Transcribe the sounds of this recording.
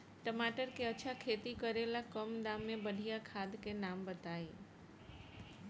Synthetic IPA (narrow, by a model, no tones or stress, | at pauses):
ʈəmaʈəɾkeət͡ʃʰakʰet̪ikəɾelakəmd̪ãmːebəɖʱijakʰad̪kenambət̪ae